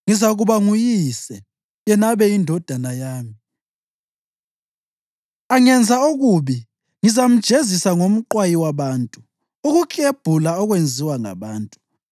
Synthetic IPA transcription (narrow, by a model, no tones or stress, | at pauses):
ŋizaɣuβaŋujisɛ | jɛnaβɛindʱɔd̥ʱanajaːmi | aŋɛnd͡zʱaoɣuβi | ŋizam̩d̥ʒ̥ʱezisaŋom̩ǃwajiwaβaːntʼu | uɣukʼeb̥ʱulaɔɣwend͡zʱiwaŋa̰βaːntʼu̥